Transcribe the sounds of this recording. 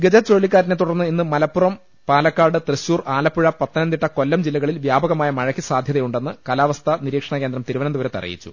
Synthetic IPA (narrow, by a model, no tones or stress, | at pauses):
ɡɐd͡ʑɐt͡ɕo̞ːɭːikʲːaːɾinet̪̬uɽɐrnːɨinːɨmɐlɐpːurɐm | paːlɐkːaːɖɨt̪rɨɕːuːraːlɐpːuɻɐpɐt̪ːɐnɐnd̪iʈːɐko̞lːɐmd͡ʑilːɐɣɐɭilʋjaːbɐɣɐmaːjɐmɐɻɐkːisaːd̪ʱjɐðɐjuɳɖe̞nːɨkɐlaːʋɐst̪ʰɐniɾiːkʂɐɳɐke̞nd̪ɾɐmt̪iɾuʋɐnɐmd̪uʋɐɾet̪ːɐ̰rḭjḭt͡ɕːṵ